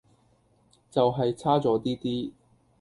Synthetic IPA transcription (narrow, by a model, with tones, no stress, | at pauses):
t͡sɐ˨wɦɐ˨jt͡sʰaː˥t͡sɔː˨˥t̪iː˥t̪iː˥